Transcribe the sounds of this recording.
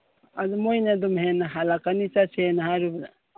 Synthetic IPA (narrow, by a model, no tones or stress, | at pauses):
adumojnadumhenaɦalakanit͡ʃasenahaɾubɾa̰